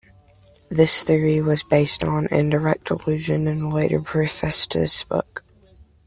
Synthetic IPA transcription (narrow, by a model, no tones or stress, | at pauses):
ðɪsθɪɹiwʌzbeɪstn̩ɪ̰̃ndə˞ɛk̚təlʉʒɨ̃nɨ̃nleɪɾə̰˞pʰɹ̥ɨfɛstʰɨsb̥ʊ̰k